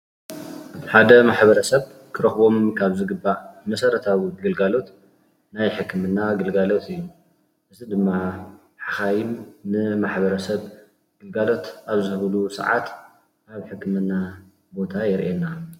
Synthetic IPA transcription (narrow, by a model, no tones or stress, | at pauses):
ħad̪ɐmaħbɐɾɐsɐβ | kʰɨɾɐxbo̞mkʰaβzɨɡɨbːaʕmɐsɐɾɐt̪ʰaβɡɨlɡalo̞t̪ | najħɨkːɨmɨnːaɡɨlɡalo̞t̪ʰɨjːu | ʔɨzid̪ɨmːa | ħaxajɪnnɨmaħbɐɾɐsɐβ | ɡ̥ɨlɡalo̞t̪ʔaβzɨβlusɐ̰ʕa̰t̪ | aβħɨkːɨmɨnːa | bo̞t̪ʰajɪɾʔena